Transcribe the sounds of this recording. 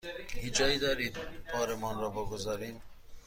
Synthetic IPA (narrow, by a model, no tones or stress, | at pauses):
hid͡ʒɒːiːd̪ɒːɾiːd̪̚pʰɒːɾemɔnɾɔːboɡozɑɾiːm